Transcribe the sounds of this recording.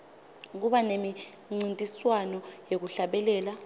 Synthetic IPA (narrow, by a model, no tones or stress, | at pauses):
k̬uɓanemi | ŋ͡ǀintʼiswanɔjek̬uɬaɓɛlɛːla